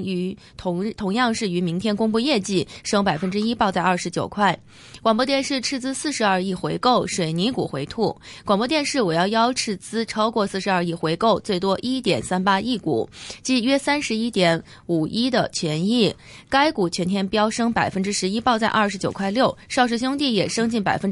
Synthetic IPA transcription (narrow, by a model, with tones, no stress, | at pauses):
t̪ʰʊ˧˥t̪ʰʊ˧˥ŋjɑ˥˧ŋʂɻ̩˥˩y˧˥mi˧˥ŋt̪ʰjɛ˥nkʊ˥ŋpu˥˧jɛ˥˧t͡ɕi˥˩ʂɤ˥ŋpa˨˩ɪfə˥nʈ͡ʂɻ̩˥i˥pɑ˥˧ʊt͡sa˥˧ɪɐ˞˥˩ʂɻ̩˧˥t͡ɕjo˨˩ʊkʰwa˥˩ɪ | kwa˨˩ŋp̬wɔ˥t̪jɛ˥˧nʂɻ̩˥˧ʈ͡ʂʰɻ̩˥˧t͡sɹ̩˥sɹ̩˥˩˧ʂɻ̩˧˥ɐ˞˥˧i˥˩xwe˧˥ɪko˥˩ʊʂwe˨˩ɪni˧˥kṵ˨˩xwe˧˥ɪt̪ʰu˥˩kwɑ˨˩ŋpwɔ˥t̪jɛ˥˧nʂɻ̩˥˩wɔ˨˩jɑ˥˧ʊjɑ˥ʊʈ͡ʂʰɻ̩˥˩t͡sɹ̩˥ʈ͡ʂʰɑ˥ʊkwɔ˥˧sɹ̩˥˩ʂɻ̩˧˥ɐ˞˥˧i˥˩xwe˧˥ɪko˥˧ʊt͡swe˥˩ɪt̪wɔ˥ʔi˥t̪jɛ̰˨˩nsa˥npa˥i˥˩kṵ˨˩˦t͡ɕi˥˩ɥɛ˥sa˥nʂɻ̩˧˥i˥t̪jɛ˧˥n | u˨˩i˥d̪ə˨t͡ɕʰɥɛ˧˥ni˥˩ | ka˥ɪku˨˩t͡ɕʰɥɛ˧˥nt̪ʰjɛ˥npjɑ˥ʊʂɤ˥ŋpa˨˩ɪfə˥nʈ͡ʂɻ̩˥ʂɻ̩˧˥i˥pɑ˥˧ʊt͡sa˥˧ʔɐ˞˥˩ʂɻ̩˧˥t͡ɕjʊkʰwa˥˧ɪljo˥˩ʊʂɑ˥˧ʊʂ̬ɻ̩˥˧ɕ̬jʊ˥ŋt̪i˥˩jɛ˨˩ʂɤ˥ŋt͡ɕi˥˩npa˨˩ɪfə˥n